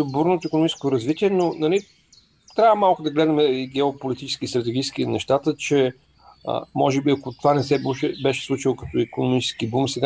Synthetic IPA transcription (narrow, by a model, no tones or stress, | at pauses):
obuɾnot̪oikonomit͡ʃɛskot̪oɾɐzvit̪ʲiɛnonɐli | t̪ɾʲavəmalˠkʊd̪ɐɡlɛd̪ɐmɛiɡɛopolit̪it͡ʃɛ̥skist̪ɾət̪ɛɡʲiskinɛʃt̪at̪ət͡ʃɛ | ə̰mɔʒɛbiɐkot̪ovanɛsɛbuʃɛbɛʃɛ̥slˠut͡ʃilˠokɐ̥t̪ɔikonomit͡ʃɛ̥skibumsɛɡa